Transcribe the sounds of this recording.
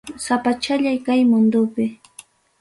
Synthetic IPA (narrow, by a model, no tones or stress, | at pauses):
sapat͡ʃaʎajkajmʊnd̪ʊpɪ